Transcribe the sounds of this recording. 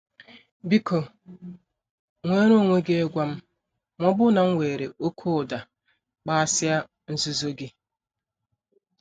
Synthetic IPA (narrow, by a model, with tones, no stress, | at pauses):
bi˦kʰo˨ | ŋʷe˦ɾo˦˨ŋʷe˦ɡe˦e˦ɡʷa˦m̩˦ | mʷɔ˦bʊ˦na˨ŋ̩˦ŋʷe˨ɾe˨ʔo˦kʰo˦˨da˨ | k͡pa˦a˦sɪ˦a˦ | n̩˦zu˦zo˦ɡɪ˦